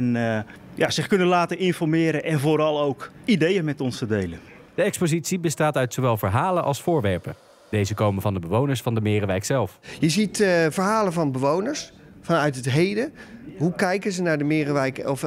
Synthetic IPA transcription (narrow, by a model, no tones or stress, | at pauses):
ɛn | jaz̥ɪχkønənlaːtənɪnfɔrmɪːɾəʔɛnvoːɾɑlˠowkidejənmɛtɔnstədejlən | d̥əɛkspozitsibəstaːtœɥtsowʋɛlˠvəɹɦaːlənʔɑ̰lˠsfʊːɹʋɛɹpə | d̥ejzəkowmənvɑndəbəʋownəɹsfɑndəmɪːrəʋɛjksɛlˠfjəzitvəɹɦaːləvɑnbəʋownəɹs | fɑnœɥtətɦejdəɦukɛjkəzənaːɹdəmɪːrəʋɛjkɔf